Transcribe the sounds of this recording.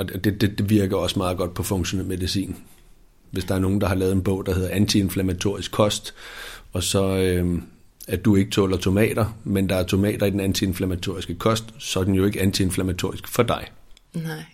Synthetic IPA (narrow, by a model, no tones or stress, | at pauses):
ɒ̽d̥e̝d̥e̝d̥e̝ʋiɐɡ̥ɐɒ̽smɑ̈ːð̩ˠɡ̥ɒ̽d̥̚pʰɒ̽fɔ̽ŋɕo̝neð̰ˠme̝ðˠisḭːn | ʋe̝sd̥ɑ̈æɐno̝ːn̩d̥ɑ̈hɑ̈lɛːð̩ˠenb̥ɔ̽ʊ̰d̥ɑ̈ɦe̝ð̞̰ˠɐænt͡sʰie̝nflæmæt͡sʰo̝ɐ̰isɡ̥ʰɒ̽sd̥ɒ̽sɒ̽ø | æɐd̥ue̝ɡ̥ə̥t͡sʰɔ̰ːlɐt͡sʰo̝mɛ̰ːd̥ɐmend̥ɑ̈æɐt͡sʰo̝mɛ̰ːd̥ɐid̥enænt͡sʰie̝nflæmæt͡sʰo̝ɐ̰isɡ̥əkʰɒ̽sd̥sɒ̽d̥en̩jo̝e̝ɡ̥əænt͡sʰie̝nflæmæt͡sʰo̝ɐ̰isɡ̥fɒ̽d̥ɑ̈ɪ